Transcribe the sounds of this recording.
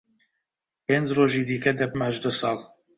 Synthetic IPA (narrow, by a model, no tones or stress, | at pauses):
peːnd͡ʒroːʒiːd̪iːkɛd̪ɛbmɛʒd̪ɨsɑːl